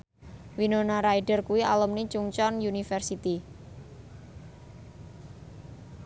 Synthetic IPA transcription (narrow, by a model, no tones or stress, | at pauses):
winonaɾaiɖərkuwialəmnit͡ʃuŋt͡ʃɔnjunifərsit̪i